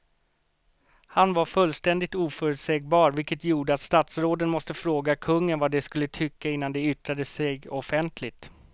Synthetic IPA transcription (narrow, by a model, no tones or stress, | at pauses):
hanvaɾfɵlːst̪ɛnd̪ɪt̪uːfœːɾʉt̪sɛːɡ̚bɑːɾvɪlkət̪juːɖəat̪st̪aːt̪sɾoːd̪ənmɔst̪əfɾoːɡakʰɵŋːənvad̪ɛskɵlːət̪ʰʏkːaɪnːand̪ɛʏt̪ɾad̪əsɛɡɔfɛnt̪ʰlɪt̪